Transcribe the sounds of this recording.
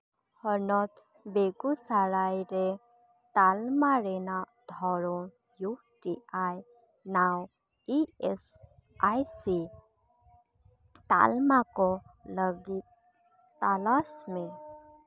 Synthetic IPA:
hənɔt̪ | beɡusaɾajɾe | t̪almaɾɛna | d̪ʱɔɾɔn | ju | ʈiaj | naw | ies | ajsi | t̪a̰lmakɔləɡit̪̚ | t̪alasme

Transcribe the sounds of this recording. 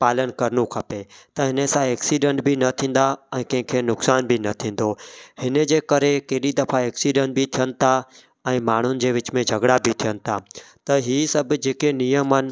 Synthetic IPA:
paːlənkɐɾnũkʰɐpet̪ɐɦɪnesãeːksiːɖẽɳʈbʱɪnɐt̪ʰĩːn̆d̪aɛ̃ːkɐ̃ɦɪ̃kʰenʊksaːnbʱinɐt̪ʰĩːn̆d̪ohɪned͡ʑeːkɐɾekeːɗid̪ɐfaeːksiːɖəɳʈ̚bʱit̪ʰijənɪ̆t̪ʰa | ɛ̃ːmaːɳ̤ʊnɪ̆d͡ʑeːʋɪt͡ɕmẽd͡ʑʱɐɡɽabʱit̪ʰijənɪ̆t̪ʰa | t̪ɐɦiːsɐbʱd͡ʑeːkenijəmɦənɪ̆

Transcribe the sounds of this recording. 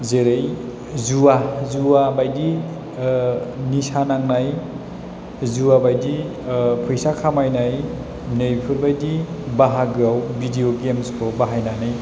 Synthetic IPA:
zeɾej | zuwazuwabajdi | nisanaŋnaj | zuwabajdi | pʰujsakʰamajnaj | nejpʰɯbajdibaɦaɡɯawbidioɡemspʰɔbaɦajnanaj

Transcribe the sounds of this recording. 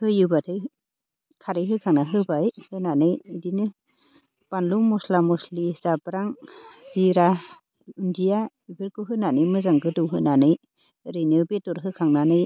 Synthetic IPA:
hɯjɯbatʰɯj | kʰaɾɯjɦɯkʰaŋnaɦɯbajhɯnanɯjːdinɯ | panluŋmɔslamɔsliz̥abɾaŋz̥iɾa | indija | ibɯɾkɯɦɯnanɯjmɯzaŋɡɯdɯwɦɯnanɯj | ɾenɯbetɔɾɦɯkʰaŋnanɯj

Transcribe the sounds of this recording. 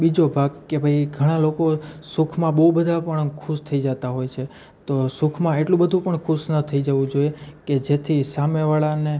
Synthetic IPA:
bid͡ʒobʱaɡkebʱəiɡʱəɽ̃alokosukʰmãbəubəd̪ʱapəɳkʰuʃt̪ʰəid͡ʒət̪aɦojt͡ʃʰe | t̪osukʰmãeʈlũbəd̪ʱũpəɳkʰuʃnət̪ʰəid͡ʒəʋũd͡ʒoieked͡ʒet̪ʰisameʋaɭane

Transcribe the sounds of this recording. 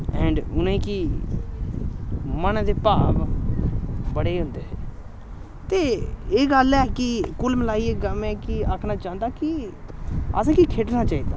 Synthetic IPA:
ɛ̃ːɳɖʊnẽːki | mənd̪eːpaːb | bəɽeːɦʊ̃nd̪eːseː | t̪eːeːɡəlɛːkɪkʊlməlaːiːeːɡəmɛːkɪakʰnaːt͡ʃaːənd̪aːkɪ | ə̰sãːkikʰeːʈnaːt͡ʃaːiːd̪aː

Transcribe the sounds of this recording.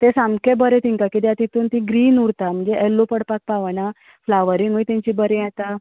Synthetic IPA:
t̪esamkebəɾet̪ĩŋkakid̪jat̪it̪uːnt̪ĩɡɾiːnuɽt̪am̤əd͡ʑeʔelːopəɽpak̚paʋana | flaʋəɾiŋɡujt̪ãɲt͡ɕibəɾẽjat̪a

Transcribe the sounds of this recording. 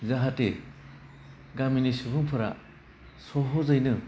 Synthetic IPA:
zaɦate | ɡaminisubɯŋpʰɯɾa̰ | sɔɦɔzajnɯ

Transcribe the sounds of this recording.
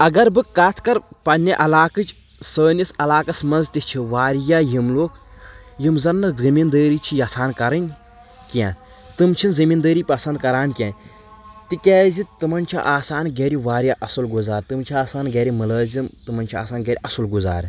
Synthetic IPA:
ɐɡɐɾbɨkaːt̪ʰkɐɾpɐnʲɐʔɐlaːkɨt͡ʃ | səːnʲisɐlaːkɐsmɐnzt̪ʲist͡ʃʰiʋaːɾjaːjimloːkʰ | jimzɐnːɨzɨmiːnd̪əːɾiːt͡ʃʰijɐsaːnkɐɾɐnʲ | kiãː | t̪ɨmt͡ʃʰinzɐmiːnd̪əːɾiːpɐsɐnd̪̚kɐɾaːnkʲjãːnʲ | t̪ikɛːzit̪ɨmɐnʲt͡ʃʰḭʔaːsaːnɡeɾiʋaːɾjaːʔɐsɨlɡuzaːɾt̪ɨmt͡ʃʰiaːsaːnɡeːɾimɐlaːzimt̪ɨmɐnʲt͡ʃʰia̰ːsaːnɡeːɾiʔɐsɨlɡuza̰ːɾ

